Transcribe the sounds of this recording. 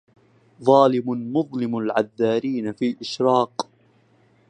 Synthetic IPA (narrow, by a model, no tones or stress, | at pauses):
ðˤɑːlɪmʊnmʊðˤlɪmalʕaðːaːɾiːnafiːʔɪʃɾɑːq